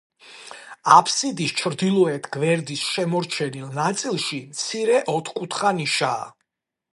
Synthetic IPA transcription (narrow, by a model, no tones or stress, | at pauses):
apʰsid̪ist͡ʃʰɾd̪ilˠɔɛt̪ʰɡvɛɾd̪isʃɛmɔɾt͡ʃʰɛnilˠnat̪sʼilˠʃimt̪sʰiɾɛʔɔt̪ʰχkʼut̪ʰχaniʃaː